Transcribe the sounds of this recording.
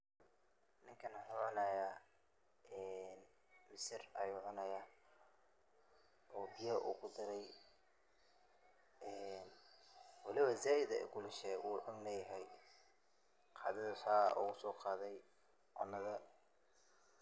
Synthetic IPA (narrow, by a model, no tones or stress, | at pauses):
nɪŋkʰɐnħuːʕʊnɐja | ʔɛːn | mɪsɪrɐjuːʕʊnɐjaː | ʔɔːbɪjɐʔṵːkʰʊd̪ɪɾɛj | ʔɛːnwɑlɪβɐzaːjɪd̪ɐ̰ɡʊlɪʃɛʔuːʕʊnnɐjɐɦɛj | qʰɑ̰ːðɐðɐħaːʔʊ̰ɣʊsɔːqɑːðɛj | ʕɔnːɐðɐ